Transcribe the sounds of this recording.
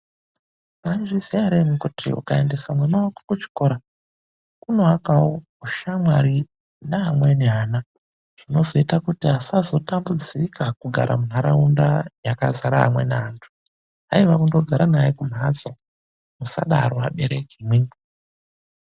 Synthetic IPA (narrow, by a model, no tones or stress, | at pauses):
manʐizeaɾemukutʰḭṵkae̞nde̞samwanawakḁkut͡ʃi̥ko̞ɾa | kunoakao | uʃamwaɾi | naɦamwe̞neɦaːna | ʐ̥ino̞zo̞itakutiasazo̞tambud͡zikʰakuɡʱa̰ɾʔa̰mun̤aɾaundajakazaɾaɦa̰mweneantʰu̥ | ɦaiʋakundoɡʱaɾanajekum̤ad͡zo | musa̰ɗa̰ɾoaɓeɾekimwi